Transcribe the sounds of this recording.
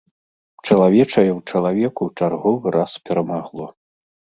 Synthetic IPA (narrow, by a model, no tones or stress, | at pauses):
t͡ʂɐlˠavʲɛt͡ʂɐjɛwt͡ʂɐlˠavʲɛkuwt͡ʂarɣɔvɨɾʔaspʲɛɾɐmaɣlˠɔ